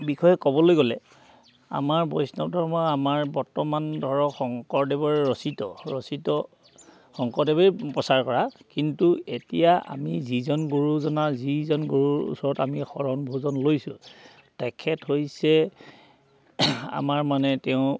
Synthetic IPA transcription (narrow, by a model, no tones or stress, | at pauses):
bixɔjɛkɔbɔlojɡolɛ | a̰maɹbɔjsnɔpdʱɔɹmɔamaɹbɔɹtɔmandʱɔɹɔxɔŋkɔɹdɛbɔɹɹɔsitɔɹɔsitɔ | xɔŋkɔdɛbeipɔsaɹkɔɹakintuetijaʔa̰mizizɔnɡuɹuzɔnazizɔnɡuɹuṵsɔɹɔtamixɔɹɔnbʱozɔnlojsʊ̃ | tɛkʰɛthojsɛ | a̰maɹmanɛtɛʊ̃